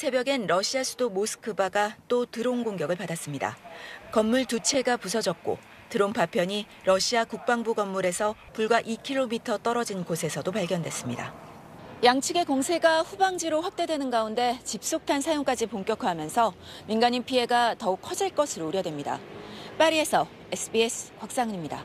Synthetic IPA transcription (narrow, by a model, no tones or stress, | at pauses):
sʰe̞bjʌɡe̞nɾʌɕʰiasʰudomosʰɯ̥kʰɯbaɡat͈otɯɾoŋɡoŋɡjʌɡɯɭpadas͈ɯmɲida̰kʌmːuɭtut͡ɕʰe̞ɡapusʰʌd͡ʑʌk̚k͈o̰ | tɯɾompapʰjʌɲi | ɾʌɕʰiakuk̚p͈aŋbuɡʌmːuɾe̞sʰʌ | puɭɡwaʔikʰiɭːomitʰʌt͈ʌɾʌd͡ʑinkosʰe̞sʰʌdopaɭɡjʌndwe̞s͈ɯmɲida̰ | jaŋt͡ɕʰɯɡe̞koŋsʰe̞ɡaɸubaŋd͡ʑiɾoɸwak̚t͈e̞dwe̞nɯnɡaunde̞t͡ɕip̚s͈ok̚tʰansʰajoŋk͈ad͡ʑipoŋk͈jʌkʰɯɦamjʌnsʰʌminɡaɲimpʰie̞ɡatʌukʰʌd͡ʑiɭk͈ʌsʰɯɾouɾjʌdwemɲida̰p͈aɾie̞sʰʌ | esʰɯbiesʰɯ̥kwak̚s͈aŋɲimɲida̰